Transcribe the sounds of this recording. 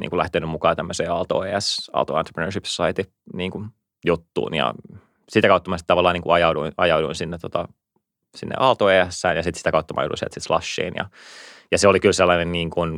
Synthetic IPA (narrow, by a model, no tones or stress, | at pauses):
nḭːŋkulæht̪enymmukɑːt̪æmːøseːɑlt̪o̰ːeːæsɑ̰lt̪o̰ɑnt̪repnøːrʃipsɑit̪i | niːŋku | jut̪ːṵːnjɑ̰ | sit̪ækɑut̪ːɑmɑsit̪ɑʋɑlːɑːniːŋkuɑjɑuduinɑjɑuduinsinːet̪ot̪ɑ | sinːḛʔɑlt̪oeːæsːæːnjɑsit̪si̥t̪ækɑut̪ːɑmɑ̰jo̰udṵisiḛlt̪sit̪slɑ̰sːḭːnjɑ̰jɑseolikylselːɑnenniːŋkun